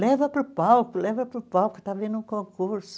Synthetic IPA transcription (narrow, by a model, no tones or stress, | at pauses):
leʋopupɑukleʋopupɑukɑ̥t̪ɑʋinukoŋkurs